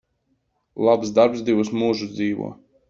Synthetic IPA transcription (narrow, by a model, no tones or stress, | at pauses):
lˠapsd̪aɾpzd̪ivusmuːʒud̪ziːʋṵɔ